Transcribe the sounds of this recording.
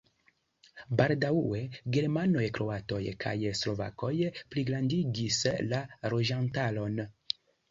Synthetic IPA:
baldawe̞ɡe̞ɾmano̞jkɾo̞ato̞jkʰa̰jslo̞va̰ko̞jpliɡlandiɡislaɾo̞d͡ʒantalo̞n

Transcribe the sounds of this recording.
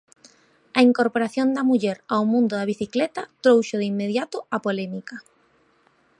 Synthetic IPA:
ɐiŋkoɾpoɾaθjond̪ɐmuʎɛɾawmũnd̪ʊðaβ̞iθiklɛt̪at̪ɾowʃʊð̞imːeðjat̪ʊapolɛmika

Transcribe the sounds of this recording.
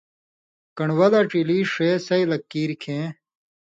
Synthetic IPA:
kɐɳwɐlaʈ͡ʂiliːʂesɐilɐkːiːɾkʰẽː

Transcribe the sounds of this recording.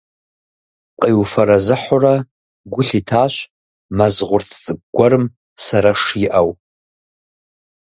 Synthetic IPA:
qʼiwfɐɾazɨħʊra | ɡʷʊɬitʰaːʃʷ | mazʁʷʊrt͡sʰt͡sʼɨk̚ɡʷaɾɨm | saɾaʂiʔaw

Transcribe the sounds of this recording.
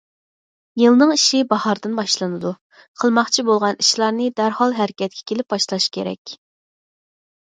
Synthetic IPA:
jɨlˠnɨŋiʃibɑhɑɾd̪ɨnbɑʃlˠɨnɨd̪u | qʰəlˠmɑχt͡ʃʰibolˠʁɑniʃlˠɑɾnɨd̪æɾhɑlˠɦæɾɪkʲɛt̪̚kʲʰɛ̥kʲʰelɪp̚bɑʃlˠɑʃkʲʰeɾɛ̰kʲ

